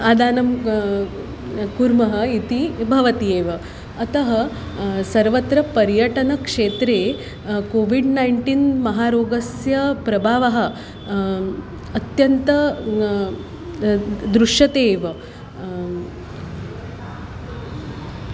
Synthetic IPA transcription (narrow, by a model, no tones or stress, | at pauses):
aːd̪aːnɐm | kuɾmɐɦɐ̆it̪ibʱɐʋɐt̪ieːʋɐ | ɐt̪ɐɦɐ | sɐɾʋɐt̪ɾɐpɐɾjɐʈɐnɐkʂeːt̪ɾeː | koːʋiɖnajɳʈiːnmɐɦaːɾoːɡɐsjɐpɾɐbʱaːʋɐɦɐ̆ | ɐt̪jɐnt̪ɐ | d̪ɾuʂjɐt̪eːʋɐ